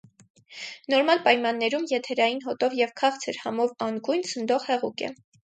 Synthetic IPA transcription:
nɔɾmɑlpɑjmɑnːɛɾumjɛt̪ʰɛɾɑjinɦɔt̪ɔvjɛvkʰɑχt͡sʰəɾhɑmɔvɑnɡujnt͡sʰənd̪ɔʁhɛʁukɛ̰

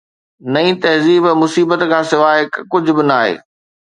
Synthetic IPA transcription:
nɐĩːt̪ɐɦziːbmʊsiːbət̪kʰãːsɪʋaːɪkkʊd͡ʑʱʊ̆bɪnaːɦḛː

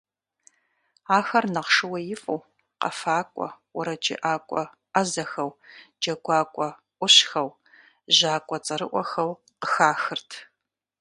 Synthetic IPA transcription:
aːxɐrnɐʁʂɨwɐjɪfʼɐw | qɐ̰faːkʷʼɔ̰wʊɾɐd͡ʒʼɪ̰ʔaːkʷʼɔ̰ | ɐzɐxɐwd͡ʒɐɡʷaːkʷʼɔ | ʔʷʊɕxɐw | ʒaːkʷʼɔt͡sʼɐɾɨʔʷɔxɐw | qəxaːxɨrtʰ

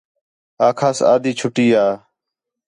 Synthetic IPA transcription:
aːkʰaːsa̰ːd̪ʱiːt͡ʃʰʊʈiːaː

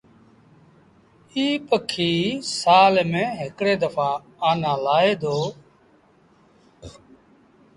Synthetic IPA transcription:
iːpəkʰːiːsaːlmẽːɦɪkɽeːd̪əfãː | aːnãːlaːeːd̪oː

